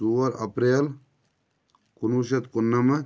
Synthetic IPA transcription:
uʋɐɾɐ̰pɾeːl | kunuʃ̬ɐt̪kunːɐmɐ

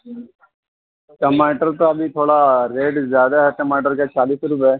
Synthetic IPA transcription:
ʈɐmaːʈɐɾt̪ɐɐb̪it̪ʰoːɽaɾeːɖd͡ʒjaːd̪ɐɦɐʈːɐmaːʈ̬ɐɾket͡ʃaːlisɾupaj

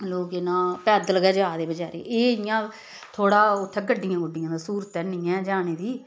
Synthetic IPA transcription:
loːkeːnãːpɛːd̪əlɡəːd͡ʒaːd̪eːbəd͡ʒaːɾḛeːɪjãː | t̪ʰoːɽaːʊt̪ʰːɛ̃ːɡəɖːɪjãːɡəɖɪjãːd̪aːsuːɾət̪ːɛːnɪːɛ̃ːd͡ʒaːneːd̪iː

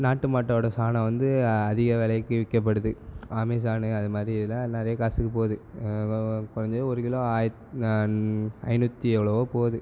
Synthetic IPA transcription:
naːʈːɯmaːʈːɐːɽɐsaːnɐ̃ʋɐnd̪ɯɐðɪɣɐʋɛɭɐkːɯʋɪkːɐp̬ːɐɽɯðɯaːmiːs̬aːnɯɐðɯmaːd̪ɾiɪðɪlːãːnɪɾɐjɐkaːsɯkːɯpoːðɯ | kʊɾɐɲd͡ʒoɔɾɯkɪloːaːj | ɐ̰ɪnɯt̪ːiɛʋɭɐʋoːpoːðɯ

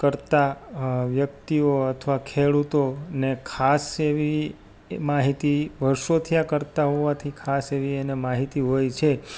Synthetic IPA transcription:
kəɾt̪aʋjək̚t̪ioət̪ʰəʋakʰeɭut̪onekʰaseʋi | maɦit̪iʋəɾʃot̪ʰijakəɾt̪aɦoʋat̪ʰikʰaseʋienemaɦit̪iɦojt͡ʃʰe

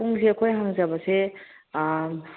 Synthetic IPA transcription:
uŋseɐkʰojɦaŋzabase

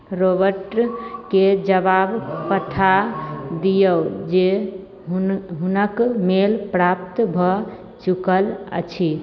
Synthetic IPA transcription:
ɾobəɾʈked͡ʒəbabkət̪ʰad̪ijəwd͡ʒe | ɦunəkmelpɾap̚t̪bʱɔ | t͡ʃukələ̰t͡ʃʰi

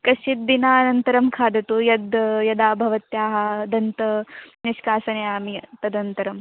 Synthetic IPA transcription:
kɐsit̪̚d̪inaːɐnɐnt̪ɐɾɐmkʰaːd̪ɐt̪uːjɐd̪jɐd̪aːbʱɐʋɐt̪jaːɦɐd̪ɐnt̪ɐniʂkaːsɐnɐjaːmit̪ɐd̪ɐnt̪ɐɾɐm

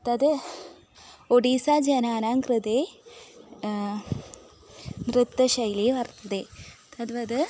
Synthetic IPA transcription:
t̪ɐðɨ | oɽiːsaːd͡ʑɐnaːnaːŋɡrɨd̪eː | mrɨt̪ːɐɕɐjliʋɐrt̪ːɐðeːt̪ɐðʋɐðɨ

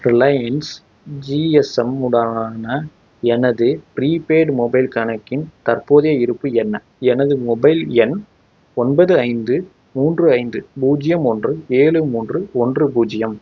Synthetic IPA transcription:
ɾɪlɐjɐns | d͡ʒiːɛsɐmʊɽɐːnɐ | ɛnɐðɯpɪɾiːpeːɖmɔbɐɪlkɐɳɐkːɪnt̪ɐrpoːðɐjɐɪɾɯpːɯɛnːɐ | ɛnɐðɯmɔbɐɪlɛn | ɔnbɐðɯɐɪnd̪ɯ | muːndrɯɐɪnd̪ɯbuːd͡ʒɪjɐmɔndrɯeːɭɯmuːndrɯɔndrɯbuːd͡ʒɪjɐm

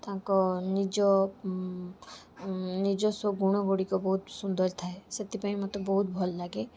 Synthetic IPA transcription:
t̪ãkɔnid͡ʒɔ | nid͡ʒɔsɔɡuɽ̃ɔɡoɽikɔbɔɦut̪sund̪ɔɾt̪ʰaeset̪ipaĩmɔt̪ebɔɦut̪̚bʱɔllaɡe

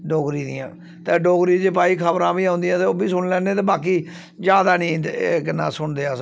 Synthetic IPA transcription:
ɖoːɡɾiːd̪ĩjã̰ː | t̪eːɖoːɡɾiːd͡ʒeːpaːiːkʰəbɾãːbiːãɦʊ̃nd̪ijãːt̪eːoːbiːsʊɳlɛ̃ːneːt̪eːbaːkiː | d͡ʒaːd̪aːnĩːkɪnːã̰ːsʊɳd̪eːaː

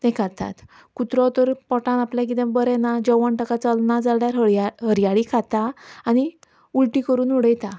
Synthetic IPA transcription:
t̪ɛ̃kat̪a̰t̪ | kut̪ɾɔt̪əɾpɔʈãnapljãkid̪ɛ̃bəɾɛnad͡ʑəʋaɳʈəkat͡səlnad͡zalɽjaɾɦaɦəɾjaɭikʰat̪aːñi | ulʈikəɾuːnuɽəjt̪a

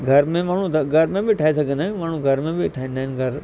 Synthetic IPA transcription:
ɡʱɐɾmẽmaːɳ̤ũd̪ɐɡʱɐɾmẽbɪʈʰaːɦisɐɡʱə̃nd̪aːɪ̃maːɳ̤ũɡʱɐɾmẽbɪʈʰaːɦɪ̃nd̪aːɦɪ̃nɡʱɐɾ

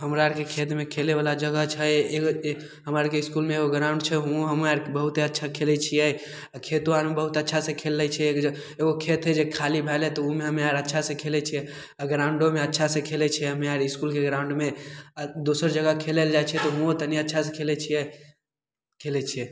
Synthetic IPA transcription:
ɦəmɾaɾkekʰet̪mekʰeleʋalad͡ʒəɡət͡ʃʰɛeɡo | ɦəmaɾkeɪskulmeeɡoɡɾãʊɳɖt͡ʃʰɛɦũɦəmaɾbəɦut̪eətːʃʰakʰelɛt͡ʃʰijɛ | akʰet̪anmebəɦut̪ətːʃʰasẽkʰelːɛt͡ʃʰɛk | eɡokʰet̪ɦɛd͡ʒekʰalibʱɛlɛt̪ɔumeɦəmeaɾətːʃʰasẽkʰelɛt͡ʃʰiɛ | aɡɾãʊ̃ɳɖomeətːʃʰasẽkʰelɛt͡ʃʰiɛɦəmeaɾiskulkeɡɾãʊ̃ɳɖme | d̪osəɾd͡ʒəɡəkʰeleld͡ʒajt͡ʃʰɛt̪ɔɦũot̪əniətːʃʰasẽkʰelɛt͡ʃʰijɛ | kʰelɛt͡ʃʰiɛ

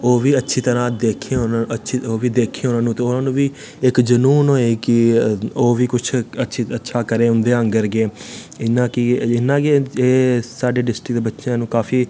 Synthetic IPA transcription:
oːʋiːətːʃʰiːt̪əɾãːd̪eːkʰːeːɦonaətːʃʰiːoːʋiːd̪eːkʰːeːɦoːnãːnũːt̪eːonãːnũːʋiː | ɪkd͡ʒənuːnɦoːeːkɪoːʋiːkʊt͡ʃʰətːʃʰiːətːʃʰaːkəɾẽːʊ̃nd̪eːəŋɡəɾɡeːɪnːãːkɪɪnːãːkeeːsaːɖeːɖɪsʈɪkd̪eːbətːʃjãːnũːkaːpʰiː

